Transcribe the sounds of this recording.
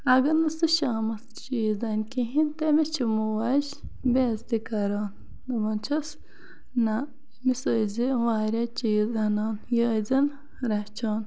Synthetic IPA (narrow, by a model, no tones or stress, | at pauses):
ɐɡɐnɐsɨʃaːmɐst͡ʃiːzɐnʲkiɦint̪emit͡ʃʰimuwaʃ | beːzd̪ikɐɾaːn | d̪ɐmɐnt͡ʃʰɐs | na | misoːiziʋaːɾɐt͡ʃiːzɐnaːnjəːzɐn | ɾɐt͡ʃʰoːn